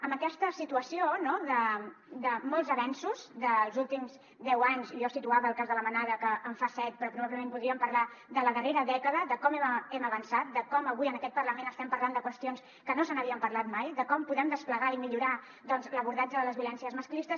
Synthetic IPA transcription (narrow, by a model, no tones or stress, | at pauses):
əmbəkɛst̪əsit̪uəsionoðə | d̪əmɔlˠzəβɛnsuzðəlˠzulˠt̪imz | d̪ɛwaɲziʒɔsit̪uaβəːlˠkazðələmənaðəkəʔːɱfasɛt̪̚pɾɔpɾuβaβləmempuðɾiəmpəɾlad̪ələðəreɾəðɛkəðəd̪əkɔmɛɛməβənsat̪̚d̪əkɔməβuiənəkɛt̪̚pərləmenəst̪ɛmpəɾland̪əkwəst̪ions | kənosənəβiəmpəɾlat̪majðəkɔmpuðɛmd̪əspləɣaimiʎuɾa | ðɔnzləβuɾðad͡ʒəðələzβiulɛnsiəzməsklist̪əs